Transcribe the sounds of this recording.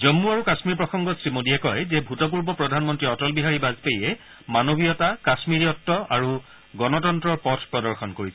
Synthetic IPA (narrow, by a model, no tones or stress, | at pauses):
zɔmːuaɹukasmiɹpɹɔxɔŋɡɔsɹimodiɛkɔjzɛbʱutɔp̬uɹbɔpɹɔdʱanmɔntɹiɔtɔlbiɦaɹibazpejɛ | manobʱijɔtakasmiɹiɔtːɔʔaɹu | ɡɔnɔtɔntɹɔɹpɔtʰpɹɔdɔɹxʰɔnkoɹisɛ